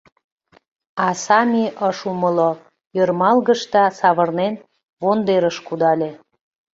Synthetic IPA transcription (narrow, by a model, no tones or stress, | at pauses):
ɑsɑmʲiʔəʃuməlo | jørmɑlɣə̆ʃt̪ɑsɑβərnen | βond̪eɾəʃkud̪ɑlʲe